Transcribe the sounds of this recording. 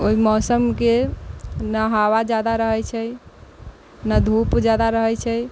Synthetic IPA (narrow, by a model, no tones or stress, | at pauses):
oimɔsəmke | naɦawad͡ʒad̪aɾəɦɛjt͡ʃʰɛj | nad̪ʱupd͡ʒad̪aɾəɦɛt͡ʃʰɛ